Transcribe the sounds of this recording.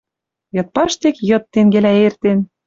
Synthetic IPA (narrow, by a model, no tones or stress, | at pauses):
jɤ̆t̪̚pɑʃt̪ekjɤ̆t̪ːeŋɡelæert̪en